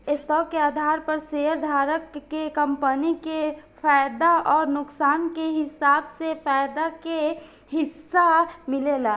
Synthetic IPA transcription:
est̪ɔːkːeaːd̪ʱaːɾpəɾseəɾd̪ʱaːɾəkːekəmpənikefaːjd̪aɔːɾnʊksaːnkeɦɪsaːbsefaːjd̪ake | hɪsːamɪlelaː

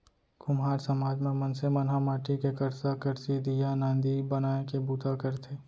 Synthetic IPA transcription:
ɡ̥ʊmɦaːɾsəmaːd͡ʒmẽmɐnsemɐnɦamaːʈʰikekɐɾsakəɾsid̪ijanãːnd̪ibənaːekebuːt̪akəɾt̪ʰeː

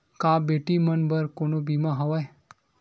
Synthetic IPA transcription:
kabeʈimənbəɾkoɽ̃obimaɦəʋaj

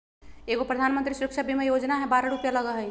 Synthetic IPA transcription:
eɡopɾəd̪ʱanmənt̪ɾisuɾəkʃʰabʱimejod͡ʒnaɦɛbaɾaɾupjaləɡəɦəj

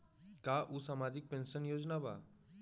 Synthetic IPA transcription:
kaʔusamad͡ʒɪk̚pẽnsənjoːd͡ʒnaba̰

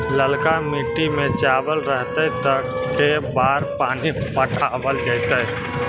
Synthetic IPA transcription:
ləlkamiʈimẽt͡ʃaːbəlɾəɦt̪et̪əkː | ebaːɾpaːnipəʈʰabəld͡ʒəɪt̪ə

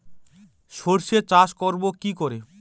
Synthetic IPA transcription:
ʃoɾʃet͡ɕaʃkoɾbokikoɾe

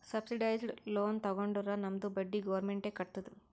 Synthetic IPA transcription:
sɐbsiɖɐjzɖlo̞ːnt̪ɐɡoɳɖuɾaːnɐmd̪ubɐɖːiɡɐʋɐɾmeɳʈeːkɐʈ̚t̪ud̪u

